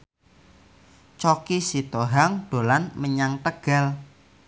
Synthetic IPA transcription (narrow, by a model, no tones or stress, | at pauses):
t͡ʃɔkisit̪oɦaŋɖ̥o̤lanməɲaŋt̪əɡ̥a̤l